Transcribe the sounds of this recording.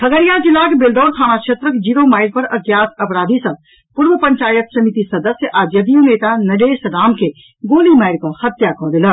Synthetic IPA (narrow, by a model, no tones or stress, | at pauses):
t̪ʰɐɡəɾijad͡ʒɪlːaːkbɪld̪ɔːɾt̪ʰaːñakʃʰet̪ɾəkd͡ʒiːɾomaːɪɾpɐɾɐɡjaːt̪ɐpɾaːd̪isɐt̪ | pʊɾʋəpɐɲt͡ʃaːjət̪sɐmit̪isɐd̪əsjəʔaːd͡ʒjɐd̪ijũneːt̪anɐɖeːsɾaːmke | ɡoːlimaːɪɾkõhɐt̪jakɔ̃ːd̪ɪlə